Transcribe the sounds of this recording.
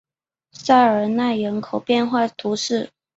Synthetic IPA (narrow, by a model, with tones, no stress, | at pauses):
sa˥˩ɪə˞˨˩na˥˩ɪɻə˧˥nkʰo˨˩ʊpjɛ˥˧nxwa˥˩t̪ʰu˧˥ʂɻ̩˥˩